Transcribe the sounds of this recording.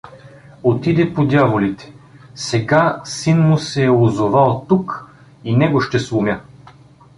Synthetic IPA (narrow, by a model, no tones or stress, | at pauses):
ot̪id̪ɛpod̪ʲjavolit̪ɛ̥sɛɡasinmʊsɛːozovalˠt̪uk | inɛɡoʃt̪ɛslˠʊmʲa